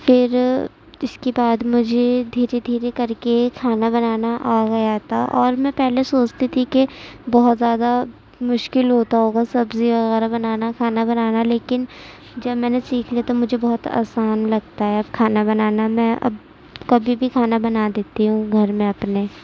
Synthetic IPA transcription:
fɪɾ | ɪskebaːd̪mʊd͡ʒʱed̪ʱiːɾed̪ʱiːɾekɐɾkekʰaːnabɐnaːnaʔaːɡɐjat̪ʰaʔɔːɾmɛ̃ːpɛɦlesoːt͡ʃt̪it̪ʰikebɔɦʊt̪zjaːd̪a | mʊʃkɪlɦoːt̪aɦoːɡasɐbziʋɐɣɛːɾabɐnaːnakʰaːnabɐnaːnaleːkɪn | d͡ʒɐbmɛ̃ːnesiːkʰliat̪omʊd͡ʒʱebɔɦʊt̪a̰ːsaːnlɐɡ̚t̪aɦɛɐb̚kʰaːnabɐnaːnamɛ̃ʔɐ̰b | kɐbʱibʱikʰaːnabɐnaːd̪eːt̪iɦũɡʱɐɾmẽɐpneː

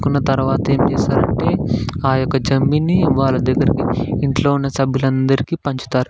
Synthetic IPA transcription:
kunːɐt̪ɐɾuʋaːt̪ɐe̞ːmt͡ʃɛːsaːɾɐɳʈe̞ːaːjɔkːɐd͡ʒɐmbiniʋaːɭːɐd̪ɐɡːɐɾikiiɳʈlo̞ːunːɐsɐbʱilɐnd̪ɐɾikiːpɐɲt͡ʃu̥t̪aːɾu

